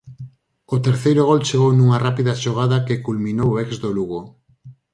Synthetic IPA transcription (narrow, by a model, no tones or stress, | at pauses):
ot̪eɾθejɾoɣ̞ɔlt͡ʃeɣownuŋarapiðaʃoɣ̞aðakekulmĩnowoɛkzd̪oluɣo